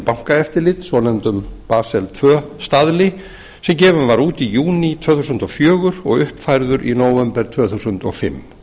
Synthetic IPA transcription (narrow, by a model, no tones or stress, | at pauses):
pawŋ̥kaɛft̪ɪɾlɪt̪svɔnɛmt̪ʏmpaːsɛlt̪ʰvœːst̪aðlɪ | sɛmcɛːvʏnvaɾuːt̪ijuːnit̪ʰv̥œːθusʏnt̪ɔfjœːɣʏɾɔ̰ɣʏhpfajɾðʏɾʔinoːwvɛmpɛɾ̥t̪ʰv̥œːθusʏnt̪ɔ̰ɣfɪ̰mː